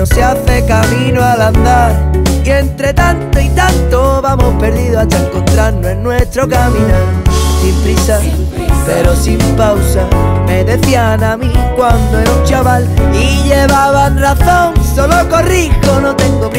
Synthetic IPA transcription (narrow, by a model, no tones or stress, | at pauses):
oseaθe̞kamĩnoalãnd̪aɾke̞nt̪ɾe̞t̪ant̪oit̪ant̪oβamo̞hpe̞ɾðiðoat̪aeŋkõnt̪ɾaɾnoe̞nːwe̞st̪ɾo̞kamĩnansimpɾisa | pe̞ɾo̞simpawsame̞ðe̞θjanamĩkwand̪oeɾunt͡ʃaβaliʎe̞βaβanraθõ̞ŋsolo̞ko̞rikono̞t̪e̞ŋɡop